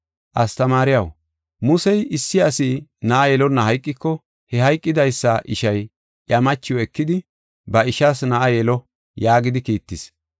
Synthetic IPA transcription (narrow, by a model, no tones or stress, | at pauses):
ʔɐst̪ɐmaːɾɪjɐw | mʊsɛjɪsːɪɐsiːnɐʔɐjɛlɔnːɐhɐjkʼːɪkːɔ | hɛhɐjkʼːɪd̪ɐjsːɐʔɪʃɐj | ʔjɐmɐt͡ʃːɪjɔɛkːɪd̪ɪ | bɐɪʃasnɐʔɐjɛlɔ | jaːɡɪd̪ɪkiːt̪ːɪs